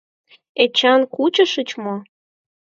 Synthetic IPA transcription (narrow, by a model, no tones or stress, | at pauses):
et͡ɕɑnkut͡ɕəʃət͡ɕmo